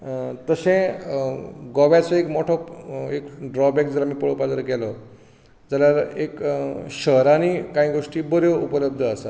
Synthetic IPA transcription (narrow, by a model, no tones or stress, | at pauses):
t̪əɕẽ | ɡɔʋat͡sɔekmɔʈʰɔekɖɾɔbɛkd͡zəlamiːpəɭəpad͡zəɾɡɛlɔ | d͡zaljaɾekɕəɦɾaniːkãĩɡoʂʈiːbəɾjoupələbd̪ʱəəsa